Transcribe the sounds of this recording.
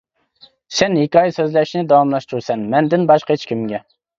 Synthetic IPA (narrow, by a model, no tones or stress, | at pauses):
sɛnhekʲɑːjsøzlɛʃnɪd̪ɑwɑmlˠɑʃt̪uɾsɛnmɛnd̪ɪnbɑʃqɑet͡ʃʰkʲʰimɡʲɛ